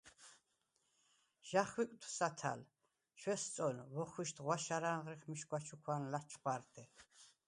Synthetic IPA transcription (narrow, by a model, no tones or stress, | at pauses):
ʒ̥aχwikʼt̪ʰw̥sat̪ʰa̰l | ʃwɛst͡s̪ʼɔlwɔχwiʃt̪ʰʼʁwaʃaɾaːnʁɾiχmiʃkwat͡ʃʰukʰwanlat͡ʃʰχwaɾt̪ʰʼɛ